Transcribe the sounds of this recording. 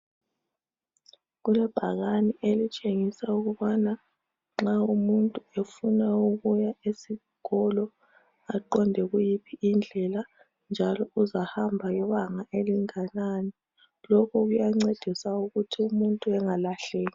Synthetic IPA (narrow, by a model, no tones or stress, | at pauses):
ɣulɛb̥ʱaɣanielit͡ʃʼeŋisauɣuβana | ŋ͡ǁaumuntʼuefunauɣujaesi | ɣɔlɔ | aǃɔndʱɛɣujipʰiind͡ɮʱɛla | nd͡ʒʱalɔuzahambʱajɔβaŋaʔeliŋananɛ | lɔkʰɔɣujaŋ͡ǀed̥ʱisauɣutʰiumuntʼuɛŋalaɬeːli